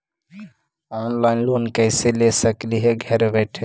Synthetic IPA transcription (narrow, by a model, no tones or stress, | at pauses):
ɔnlaɪnlonkəɪselesəkliɦeɡʱɛɾbɛɪʈʰe